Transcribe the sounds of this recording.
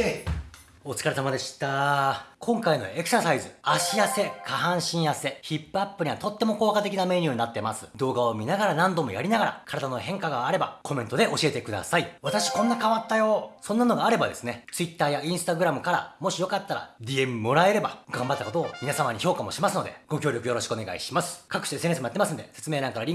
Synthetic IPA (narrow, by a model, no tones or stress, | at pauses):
e | o̞t͡sɨ̥kaɾesamad̪e̞ɕi̥t̪akʰõ̞ŋkaino̞̰e̞kɯ̟sasaizɨaɕijase̞kʰaɦãɰ̃ɕĩɰ̃jase̞çipːɯ̟apːɯ̟ɲ̟iβat̪o̞t̪ːe̞mo̞ko̞ːkat̪e̞kʲiname̞ɲʲɯːɲinat̪ːemasɨ̥d̪o̞ːɡaomʲinaɡaɾanãnd̪o̞mo̞̰ja̰ɾʲinaɡaɾa̰kʰaɾad̪anohẽ̞ŋkaɡaːɾe̞bakʰo̞mẽ̞nt̪o̞d̪e̞ʔo̞ɕie̞t̪e̞kɯ̟d̪a̰saiβat̪aɕi̥kõ̞nːakaβat̪ːajo̞sõ̞nːano̞ɡaːɾe̞bad̪e̞sɨne̞t͡sɨit̪ːaːjaĩɰ̃sɨ̥t̪aɡɯ̟ɾamɯ̟kaɾa̰mo̞ɕijo̞kat̪ːaɾa̰d̪ʲie̞mɯmo̞ɾae̞ɾe̞baɡãmbat̪ːakot̪o̞ːmʲinasamaɲ̟iço̞ːkamo̞̰ɕimasɨno̞d̪e̞̰ɡ̥o̞kʲo̞ːɾʲo̞kɯ̟jo̞ɾo̞ɕi̥kɯone̞ɡa̰ḭɕimasɨ̥kakɯ̟ɕi̥t̪esenesmjat̪ːemasɨnod̪e̞se̞t͡sɨme̞ːɾãŋkaɾaɾʲĩ